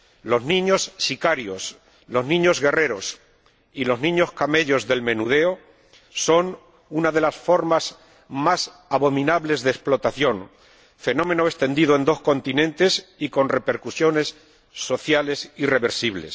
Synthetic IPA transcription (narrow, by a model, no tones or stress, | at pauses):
lo̞znĩɲo̞sːikaɾjo̞s | lo̞znĩɲo̞zɣe̞re̞ɾo̞s | ilo̞znĩɲo̞skame̞ʎo̞zðe̞lmẽ̞nuð̞e̞o | so̞n | unaðe̞lasfo̞ɾmas | mas | aβo̞mĩnaβle̞zðesplo̞t̪aθjo̞ŋ | fe̞nõ̞mẽ̞no̞est̪e̞nd̪iðoe̞nd̪o̞sko̞nt̪inẽnt̪e̞siko̞nre̞pe̞ɾkusjo̞ne̞sː | o̞θjale̞sire̞βe̞ɾsiβle̞̰s